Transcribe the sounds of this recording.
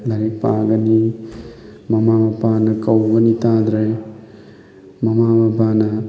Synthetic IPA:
bʱɐɾipaɡɐni | mɐmamɐpanɐkɐwɡɐnit̪ad̪ɾej | mɐmamɐpanɐ

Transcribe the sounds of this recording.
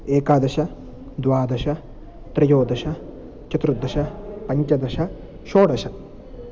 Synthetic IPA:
eːkaːd̪ɐʃɐ | d̪ʋaːd̪ɐʃɐ | t̪ɾɐjoːd̪ɐʃɐ | t͡ʃɐt̪ɾud̪ʱːɐʃɐpɐɲt͡ʃɐd̪ɐʃɐ | ʃoːɽɐʃɐ

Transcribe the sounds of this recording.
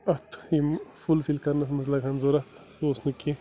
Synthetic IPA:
ɐt̪ʰimfulfilkɐɾnɐs̬mɐslɐkɐnzoɾɐt̪ʰsosnɨki

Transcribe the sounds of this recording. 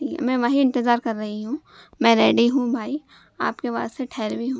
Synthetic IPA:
ḭmɛ̃ːʋəɦiɪ̃nt̪ɪzaːɾkɐɾːɐɦiɦũː | mɛ̃ːɾeːɖiɦũbʱaːi | a̰ːpkeʋa̰ːst̪eʈʰɛːɾbʱiɦũː

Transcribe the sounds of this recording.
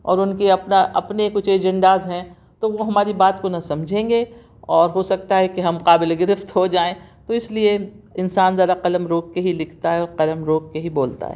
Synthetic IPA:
ɔ̰ːɾʊnkeɐpnaʔɐ̰pnekʊt͡ʃʰeːd͡ʒɛ̃ɳɖaːzɦɛ̃ | t̪oʋoɦɐmaːɾibaːt̪konɐsɐmd͡ʒʱẽːŋɡe | ɔːɾɦosɐk̚t̪aɦɛkeɦɐmqaːbɪleɡɪɾɪft̪ɦod͡ʒaːẽt̪oɪslieɪnsaːnzɐd̪aqɐləmɾoːkkeɦilɪkʰt̪aɦɛɔːɾqɐləmɾoːkːeɦiboːlt̪a̰ɦɛ̰ː

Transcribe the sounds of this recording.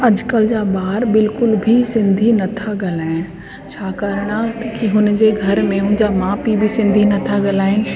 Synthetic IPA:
ɐd͡ʑkəld͡ʑaːbaːɾbɪlkʊlbʱisɪ̃nd̪ʱinɐt̪ʰaɡɐlaːɪn | t͡ɕʰaːkɐɾɽ̃akiɦʊnd͡ʑeːɡʱɐɾmẽɦʊ̃nɪ̃d͡ʑaːmãːpibʱisɪ̃nd̪ʱinɐt̪ʰaɡɐlaːẽ

